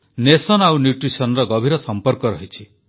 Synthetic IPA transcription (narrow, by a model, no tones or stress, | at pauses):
nesɔnawnjuʈɾisɔnɔɾɔɡɔbʱiɾɔsɔmpɔɾkɔɾɔɦit͡ʃʰi